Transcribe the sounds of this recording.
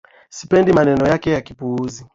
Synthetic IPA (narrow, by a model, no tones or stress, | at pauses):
si̥pɛndimanɛnɔjakɛjakipuuzi